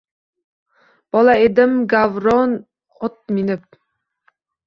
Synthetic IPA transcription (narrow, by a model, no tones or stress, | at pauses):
b̥ɒlˠaed̪ɪmɡavɾɔn | ɒt̪̚mɪnɪp̚